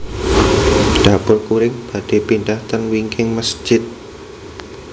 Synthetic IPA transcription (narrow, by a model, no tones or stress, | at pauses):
ɖ̥apʊrkuɾɪŋb̥ä̤ɖ̥e̤pinɖaht̪ənwiŋkʰɪŋməsd͡ʒ̥ɪt̪̚